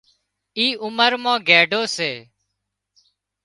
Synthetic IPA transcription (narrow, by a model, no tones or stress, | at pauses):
iːʔʊməɾmãːɡeːɖoːseː